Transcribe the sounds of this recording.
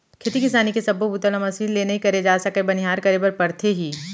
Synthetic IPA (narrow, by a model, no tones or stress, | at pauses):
kʰeːt̪ikɪsaːnikesɐbobut̪əlamɐsiːnlːeːnɐɦĩkɐɾed͡ʒaːsɐkebɐniɦaːɾkɐɾebɐɾpɐɾt̪ʰeɦiː